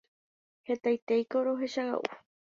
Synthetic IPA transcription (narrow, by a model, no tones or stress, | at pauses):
he̞t̪ajt̪ejkoɾoɦeʃaɣa̰ʔṵ